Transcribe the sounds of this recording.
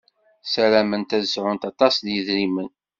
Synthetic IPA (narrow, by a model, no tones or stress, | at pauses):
sælæmənt̪æðəsʕʊnt̪ɑt̪ˤɑsðjəðɾimən